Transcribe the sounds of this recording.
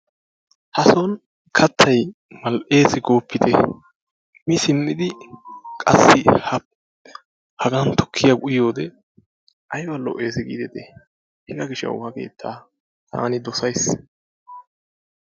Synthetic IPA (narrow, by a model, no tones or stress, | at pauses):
hɐsɔn | kʰɐt̪ʰːɐj | mɐlʔe̞ːsɪɡo̞ːpːɪt̪ʰɛ̰ | mɪsɪmːɪd̪ɪkʼɐ̰sːɪhɐ | hɐɡɐnt̪ɔ̥kʰːɪjɐɡʼʊjo̞ːd̪ɛ | ʔɐjbɐlɔ̰ʔeːs̬ɛɡḭːd̪ɛt̪ɛ | hɛɡɐɡɪʃɐ̰whɐke̞̰ːt̪ʰːaː | t̪ʰa̰ːnɪd̪ɔsɐjs